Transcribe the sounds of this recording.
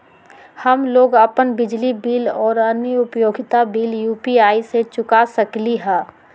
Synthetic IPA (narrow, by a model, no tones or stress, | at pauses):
hɐmloːɡəpənbɪd͡ʒlibiːlɔːɾəniʊpjoːɡʱɪt̪abiːljuːpiaːiset͡ʃʊkasəkliɦɛ̃ː